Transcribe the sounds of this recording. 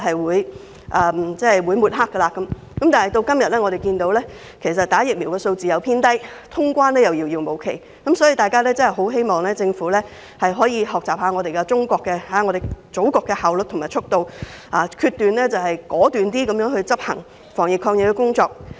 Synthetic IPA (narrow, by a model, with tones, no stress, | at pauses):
hɐ˨jwuː˨˧j | ʔɐː˨t͡sɛ˥hjwuː˨˧jmu˨t̚ɦaː˥kːə˧laː˧kɐ˨˦m | kɐ˨˥mt̪aː˨nhɐ˨˩jt̪o˧wkɐ˥mjɐ˨t̚lɛː˥ŋɔ˨˧ɾe˨˩jkiː˧nt̪o˨˧˥wlɛː˥ | kʰe˨˩js̬ɐ˨t̚t̪aː˨˥jɪ˨k̚miː˨˩wkɛː˧so˧wt͡siː˨˩jɐ˨˧wpʰiː˥nt̪ɐ˥jt̪ʰʊ˥ŋkʷaː˥nɛː˥jɐ˨wji˧wjiː˧wmo˨˧wkʰe˨˩j | kɐ˨˥msɔː˨˥jiː˧t̪aː˨jkaː˥lɛː˥t͡sɐ˥hɐ˨˩ɦo˨˥wɦe˥jmɔː˨˩ŋlɛː˥t͡sɪ˧ŋfuː˨˥lɛː˥ | hɐ˨jɦɔː˨˥jiː˨˧ɦɔː˨k̚t͡saː˨p̚haː˨˧ŋɔː˨˧ɾe˨jkɛ˧t͡sʊ˥ŋkʷɔː˧kːɛ˧haː˨˥ŋɔː˨˧ɾe˨jt͡so˨˥wkɔː˧kːɛ˧haː˨˩wlɵ˨t̪̚ʰʊ˨˩ŋmaː˨˩t͡ʃʰʊ˥k̚t̪o˧wʔaː˨˧kʰyː˧t̪yː˨nlɛː˥t͡sɐ˨whɐ˨jkɔː˨˥t̪yː˨nt̪iː˥kɐ˨˧mjœː˨˧˥ŋhɵ˧ɥt͡sɐ˥p̚hɐ̰˨˩ŋ | fɔː˨˩ŋjɪ˨kʰɔː˧ŋjɪ˨kːɛ˧kʊ˥ŋt͡sɔː˧k̚